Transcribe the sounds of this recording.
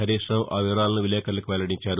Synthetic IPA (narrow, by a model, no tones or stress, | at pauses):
ɐɾiːʂɳɐmʔaːʋiʋɐɾaːlɐnuʋileːkɐɾɐlɐkuʋɛlɐɽiɲt͡ʃaːɾu